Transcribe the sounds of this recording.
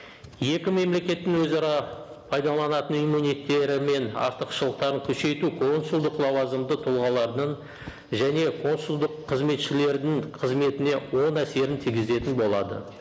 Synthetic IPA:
je̞kʲɪme̞mle̞kʲe̞t̪ːɪŋwɵzɑɾɑ | pʰɑjd̪ɑlˠɑnɑt̪ənijmunijt̪ːe̞ɾɪme̞nɑ̰ɾt̪əqʃəlˠəq̚t̪ɑɾəŋkʲʰɵʃe̞jt̪ukʰo̞nsulˠd̪əqlˠɑwɑzəmd̪ət̪ʰʊlˠʁɑlˠɑɾd̪əɴ | ʒæne̞kʰo̞nsʊlˠd̪əqʰːəzme̞t̪ʃɪle̞ɾd̪ɪŋqʰəzme̞t̪ɪne̞wo̞næse̞ɾɪnt̪ʰiɡʲɪze̞t̪ɪnbo̞lˠɑd̪ə̰

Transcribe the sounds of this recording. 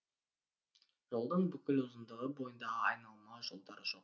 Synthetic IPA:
ʒ̥o̞lˠd̪əɴbʏkʲɪlʊzənd̪əʁəbo̞jənd̪ɑʁəɑjnɑlˠmɑwʒo̞lˠd̪ɑɾəʒoq

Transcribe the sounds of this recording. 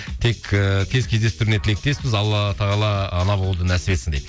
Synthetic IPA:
t̪ʰe̞kkʲʰe̞zkʲʰezd̪e̞st̪ʏɾɪnet̪ʰɪle̞k̚t̪e̞spɪzɑlˠːɑt̪ʰɑʁɑlˠɑːnɑbolˠd̪ənæsɪbe̞t̪sɪŋd̪ejp̪

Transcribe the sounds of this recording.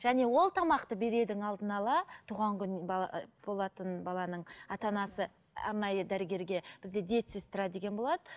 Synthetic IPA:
ʒ̥æne̞wo̞lˠt̪ʰɑmɑqt̪əbe̞ɾe̞d̪ɪŋɑlˠd̪ənɑlˠɑt̪ʰuʁɑŋkʲʏnb̥o̞lˠɑt̪ənbɑlˠɑnəɴɑt̪ɑnɑsə | ɑ̰ɾnɑjəd̪æɾɪɡʲe̞ɾɡʲe̞b̥ɪzd̪ed̪et̪sest̪ɪɾɑd̪e̞kʲenbo̞lˠɑd̪ə

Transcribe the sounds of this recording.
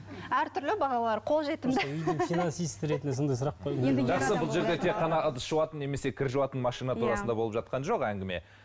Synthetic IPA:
æɾt̪ʰʏɾlɪbɑʁɑlˠɑɾqʰo̞lˠʒe̞t̪ɪmzʏjd̪ɪŋfinansijst̪ɾe̞t̪ɪnɪsond̪ɑjsʊɾɑq̚qʰoj̪ʒɑqsəbʊlˠʒe̞ɾd̪et̪ʰe̞kqːɑnɑəd̪əsʃuwɑt̪ənːe̞me̞se̞kʲʰɪɾʒuwɑt̪ənmɑʃijnat̪ʰuɾɑsənd̪ɑbo̞lˠəpʒ̥ɑt̪̚qɑnʒo̞qæŋɡʲɪme̞̰

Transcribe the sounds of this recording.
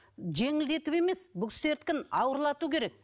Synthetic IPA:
ʒe̞ŋɪld̪e̞t̪ɪwe̞me̞sbʊkse̞ɾt̪̚kʲɪnɑwəɾlˠɑt̪ukʲʰe̞ɾe̞k̚

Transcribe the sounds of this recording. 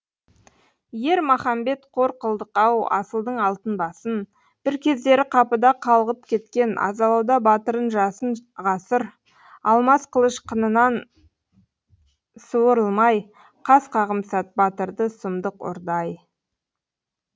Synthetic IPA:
je̞ɾmɑχɑmbe̞t̪qʰo̞ɾqʰəlˠd̪əqɑwɑ̰səlˠd̪əɴɑlˠt̪ənbɑsən | b̥ɪɾkʲʰe̞zd̪e̞ɾɪqʰɑpəd̪ɑqʰɑlˠʁəp̚kʲʰe̞t̪kʲe̞nɑ̰zɑlˠɑwd̪ɑbɑt̪əɾənʒɑsənʁɑsəɾ | ɑlˠmɑsqʰəlˠəʃqʰənənɑn | suwəɾəlˠmɑj | qʰɑsqʰɑʁəmsɑt̪̚bɑt̪əɾd̪əsəmd̪əqo̰ɾd̪ɑj

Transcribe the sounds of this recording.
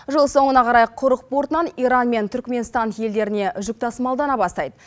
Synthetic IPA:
ʒəlˠso̞ɴənɑqʰɑɾɑjqʰʊɾəq̚poɾt̪ənɑnijɾɑnme̞nt̪ʰʏɾkʲme̞nst̪ɑnje̞ld̪e̞ɾɪne̞ʒʊk̚t̪ʰɑsmɑlˠd̪ɑnɑbɑst̪ɑjd̪ə

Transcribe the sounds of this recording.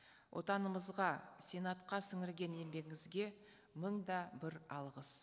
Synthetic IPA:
wʔo̞̰t̪ɑnəməzʁɑsʲenat̪qɑsɪŋɪɾɡʲe̞ne̞mbe̞ɡʲɪŋɪzɡʲe̞ | məɴd̪ɑbɪɾɑlˠʁəs

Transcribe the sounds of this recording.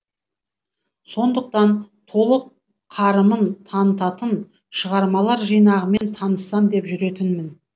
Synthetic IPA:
so̞nd̪əq̚t̪ɑnt̪ʰo̞lˠəqːʰ | ɑɾəmənt̪ʰɑnət̪ɑt̪ən | ʃəʁɑɾmɑlˠɑɾʒijnɑʁəme̞nt̪ʰɑnəsːɑmd̪e̞pʒʏɾe̞t̪ɪnmɪn

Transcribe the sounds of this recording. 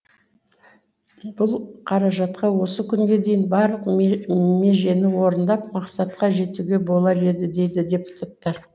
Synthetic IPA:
b̥ʊlˠqʰɑɾɑʒɑt̪̚qɑwo̞səkʲʰʏŋɡʲe̞d̪e̞jɪnbɑɾlˠəqme̞ʒe̞nɪwo̞ɾənd̪ɑpmɑqsɑt̪qɑʒe̞t̪uɡʲe̞bo̞lˠɑɾe̞d̪ɪd̪e̞jd̪ɪd̪ʲe̞pu̥t̪ʰat̪ːɑɾ

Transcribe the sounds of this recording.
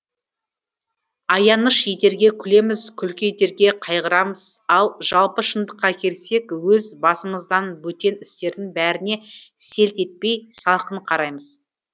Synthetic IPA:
ɑjɑnəʃjet̪e̞ɾɡʲe̞kʲʰʏle̞mɪzkʲʰʏlkʲejt̪e̞ɾɡʲe̞qʰɑjʁəɾɑməz̥ɑlˠʒ̥ɑlˠpəʃənd̪əqːɑkʲʰelse̞kwɵzbɑsəɴəzd̪ɑnbɵt̪e̞nɪst̪e̞ɾd̪ɪŋbæɾɪne̞se̞lt̪e̞t̪̚pe̞jsɑlˠqənqʰɑɾɑjməz̥

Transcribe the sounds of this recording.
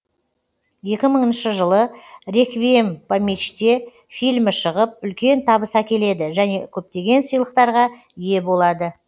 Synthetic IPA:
je̞kʲɪməɴənʃəʒəlˠəɾe̞kvʲempamʲet͡ʃt̪e̞ | fijlʲmɪʃəʁəp̚ʏlkʲe̞nt̪ʰɑbəsækʲe̞le̞d̪ɪʒæne̞kʲʰɵp̚t̪e̞ɡʲe̞nsijlˠəqt̪ɑɾʁɑ | ije̞bo̞lˠɑd̪ə

